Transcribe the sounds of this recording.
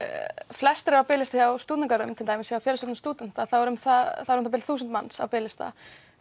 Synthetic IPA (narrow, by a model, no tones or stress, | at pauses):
flɛst̪ɾɪawpɪːlɪst̪ajawst̪uːt̪nɪŋkaɾʏmt̪ʰɪlt̪ajmɪsjaawfjɛːɾɪsɔt̪nst̪uːt̪nɪn̥t̪aθawɛɾʏmθaθaðɛɾʏmθapɪlθuːsʏnt̪manːsa̰wpɪːlɪst̪a̰